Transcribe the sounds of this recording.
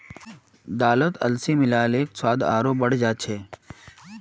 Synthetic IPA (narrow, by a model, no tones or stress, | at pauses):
d̪aːlət̪ɐ̰lsimɪlaːleːkswaːd̪a̰ːɾoːbɐɽ̤d͡ʒaːt͡ʃʰeː